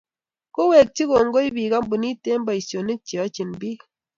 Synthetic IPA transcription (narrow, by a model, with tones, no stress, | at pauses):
ko˦we˨k̚ti˦ko˨ŋ˦ɡo˦i˦biː˨ka˦m˦bu˨ni˦te˦m˦ba˨i˨sjo˨ni˦t͡ʃi˨ɔ˨˦t͡ʃi˨nbi˦